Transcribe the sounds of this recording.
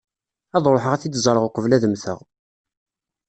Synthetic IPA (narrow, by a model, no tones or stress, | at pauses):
æðˤɾˤoħəʁæθid̪zˤəɾˤəʁoqəvlæðəmθə̰ʁ